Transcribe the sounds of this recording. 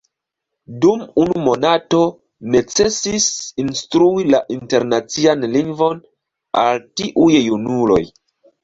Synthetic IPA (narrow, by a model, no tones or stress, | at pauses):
dumunumo̞nato̞ | ne̞t͡se̞sisinstɾuilaʔinte̞ɾnat͡sianliŋɡvo̞n | a̰ltiʔujjunulo̞̰j